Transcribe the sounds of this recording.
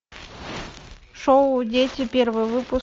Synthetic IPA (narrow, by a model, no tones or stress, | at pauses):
ʂoʊʊdʲetʲɪpʲervɨjvɨpʊ